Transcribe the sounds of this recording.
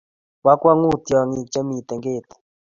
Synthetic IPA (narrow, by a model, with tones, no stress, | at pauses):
wa˦kwa˦ŋu˦t̪jɔ˨ŋi˨t͡ʃa˦mi˨t̪ɛ˨ŋɡe˦˨t̪